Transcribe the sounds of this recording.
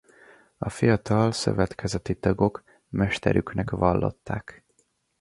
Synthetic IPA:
ɒfijɒt̪ɒlsø̞̰vɛt̪kɛzɛt̪it̪ɒɡo̞k | mɛʃt̪ɛɾyknɛkʋɒlːo̞̰t̪ːaːk

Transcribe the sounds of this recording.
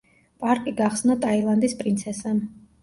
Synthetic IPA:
pʼaɾkʼiɡaχsnat̪ʼailˠand̪ispʼɾint̪sʰɛsɛ

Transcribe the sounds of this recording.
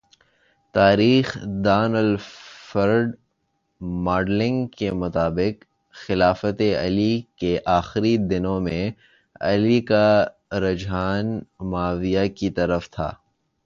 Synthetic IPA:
t̪aːɾiːxd̪aːnəlfɐɾɖ | maːɾɖlɪ̃ŋɡkemʊt̪aːbɪq | xɪlaːfət̪eɐ̰likeʔaːxɪɾid̪ɪnõmẽ | ɐ̰lika | ɾɐd͡ʒɦaːnmaːʋijakit̪ɐɾəft̪ʰa̰ː

